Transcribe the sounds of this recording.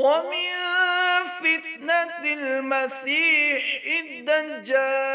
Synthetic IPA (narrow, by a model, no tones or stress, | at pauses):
wamɪn | fɪt̪̚nat̪ɪlmasiːħɪnd̪and͡ʒaː